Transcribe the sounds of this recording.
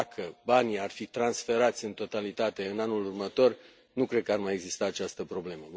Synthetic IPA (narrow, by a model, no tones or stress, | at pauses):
kʰəbaniarfit̪ɾansfe̞ɾat̪sʲɨnt̪o̞t̪alit̪at̪e̞ɨnanulurmət̪o̞r | nukɾe̞d̪̚kəarmaje̞ɡzist̪aːt͡ʃast̪əpɾo̞ble̞mə